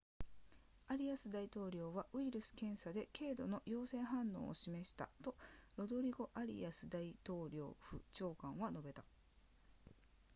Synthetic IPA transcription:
aɾʲiasɨd̪ait̪o̞ːɾʲo̞ːβaɯ̟iɾɯ̟sɨ̥kẽ̞ɰ̃sad̪e̞ke̞ːd̪o̞no̞jo̞ːsẽ̞ɰ̃ɦãnːo̞̰ːo̰ɕime̞ɕi̥t̪a̰t̪o̞ɾo̞d̪o̞ɾʲiɡo̞ʔaɾʲḭasɨd̪ait̪o̞ːɾʲo̞ːɸɯ̟̰t͡ɕo̞ːkãɰ̃βano̞be̞t̪a

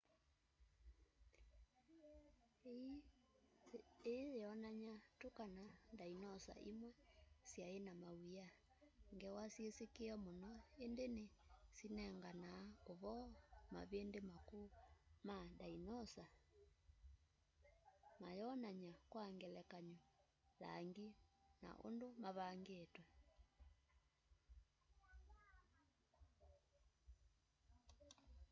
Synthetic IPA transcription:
eeɔnaɲatokanandainɔsa̰ʔimwɛsjaenamauja | ŋɡɛwasjesekeɔmonɔendenesinɛŋɡanaoβɔma̰βendemakomadainɔsa | majɔnaɲakwaŋɡɛlɛkaɲɔ | la̰ŋɡina̰ʔo̰ndomaβaŋɡetwɛ

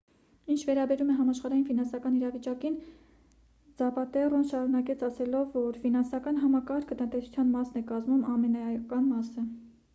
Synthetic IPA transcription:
int͡ʃʰvɛɾɑbɛɾumɛɦɑmɑʃχɑɾɑjinfinɑnsɑkɑniɾɑvit͡ʃɑkin | d͡zɑpɑt̪ɛrɔnʃɑɾunɑkɛt͡sʰɑsɛlɔvːɔɾfinɑnsɑkɑnɦɑmɑkɑɾkʰət̪ənt̪ɛsu̥t͡sʰjɑnmɑsnɛkɑzmumɑmɛnɑkɑnmɑsə

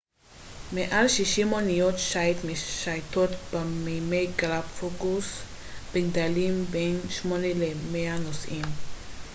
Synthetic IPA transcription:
meʔalʃiʃimonijotʃajt̪miʃajto̞t̪bemejmejɡlabfoɡus | b̥eɡdalimbenʃmo̞nelemeanosʔim

